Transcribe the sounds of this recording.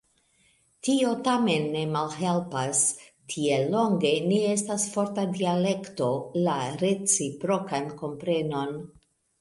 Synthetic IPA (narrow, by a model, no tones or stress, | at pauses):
tio̞tame̞nːe̞malɦe̞lpas | tʰielːo̞ŋɡe̞nie̞stasfo̞ɾtadiale̞kto̞laɾe̞t͡sipɾo̞kanko̞mpɾe̞no̞n